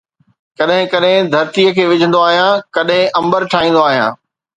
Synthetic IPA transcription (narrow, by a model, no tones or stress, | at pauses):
kɐɗɦɪ̃kɐɗɦɪ̃d̪ʱɐɾt̪ijəkʰeːʋɪd͡ʑʱə̃nd̪oaːɦijãkɐɗɦɪ̃ʔɐ̃mbəɾʈʰaːĩːn̆d̪oaːɦijã̰ː